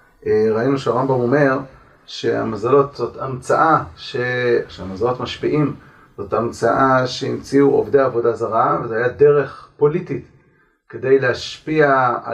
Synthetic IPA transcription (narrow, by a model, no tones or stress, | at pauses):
ʔeʁainuʃeaʁambamo̞me̞ʁ | ʃe̞a̰mazalo̞t̪zo̞tʰamt͡saʔaʃeʃeamazalo̞tmaʃpiʔim | z̥o̞t̪amt͡saʔaʃeimt͡siuʔo̰vdejaːvo̞dazaʁavezehajade̞ʁe̞χpo̞litit | ke̞de̞jleaʃpia